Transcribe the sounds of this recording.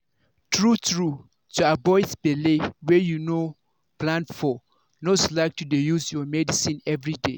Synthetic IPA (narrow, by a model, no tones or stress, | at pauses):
tʰɹutɹu | tuabɔɪdb̥elewɛjuno | plãnfɔ | noslaɪk̚tʰudejuzjɔmɛdisĩnɛvɹidḛ